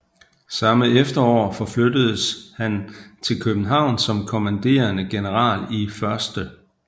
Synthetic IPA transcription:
sɑ̈məefd̥ɐɒ̰ːfɒ̽flød̥əð̞̩ˠəshænt͡sʰe̝lkʰøb̥n̩ɦɑ̈ʊ̰nsɒ̽mkʰo̝mænd̥e̝̰ːɐnəɡ̥e̝nəʁɑ̈ːlifɶɐsd̥ə

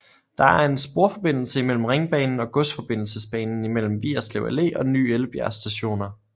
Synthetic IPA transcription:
d̥ɑ̈æɐe̝nsb̥o̝ɐ̰fɒ̽b̥e̝n̰l̩səimel̰m̩ʁeŋb̥ɛ̰ːnn̩ɒ̽ɡ̥ɔsd̥fɒ̽b̥e̝n̰l̩səsb̥ɛ̰ːnn̩imel̰m̩ʋḭːɐsleʊæle̝̰ːɒ̽ny̰ːeləb̥jæɐsd̥æɕo̝̰ːnɐ

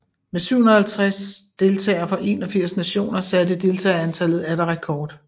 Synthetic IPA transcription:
mesyʊ̰hunɐhælt͡sʰʁasd̥e̝lt͡sʰɛ̰ːɐfɒ̽ʔe̝ːnɒ̽fiɐ̰snæɕo̝̰ːnɐsæd̥əd̥e̝lt͡sʰɛ̰ːænt͡sʰæl̰ð̞̩ˠæɾɐʁɛkʰɒːd̥

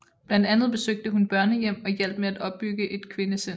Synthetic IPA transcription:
b̥læn̰d̥ænð̞̩ˠb̥e̝søɡ̥̚d̥əɦunb̥ɶɐ̰nəjem̰ɒ̽jel̰b̥meæd̥ɒ̽b̥ːyɡ̥əʔe̝d̥kʰʋe̝nəse

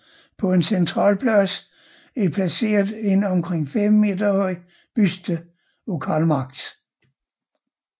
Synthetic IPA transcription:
pʰɒ̽e̝nsent͡sʰʁɑ̰̈ːlpʰlɒsə̥ | æpʰlæse̝̰ːɐðˠe̝n̰ɒ̽mkʰʁeŋ̰fem̰ːe̝̰ːd̥ɐhɒɪ̰ | b̥ysd̥ə | lo̝kʰæ̰ːlmɑ̈ɡ̥̚d̥

